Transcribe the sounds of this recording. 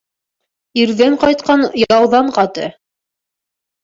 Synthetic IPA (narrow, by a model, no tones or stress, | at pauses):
iɾðæɴqɑjt̪̚qɑnjɑɑwðɑɴqɑt̪ɤ̰